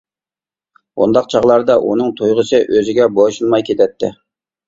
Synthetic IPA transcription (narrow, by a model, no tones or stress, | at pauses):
o̰nd̪ɑq̚t͡ʃʰɑʁlˠɑɾd̪ɑʔṵnɨŋt̪ʰujʁəsɨʔøzɪɡʲɛboʃunmɑjkʲʰet̪ʰɛt̪ʰːɪ